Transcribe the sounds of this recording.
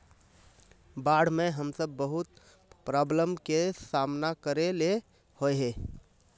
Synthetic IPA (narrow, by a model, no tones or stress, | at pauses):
baɽ̤meɦəmsəbːəɦut̪ | pɾabləmkesamnakəɾele | hoɦe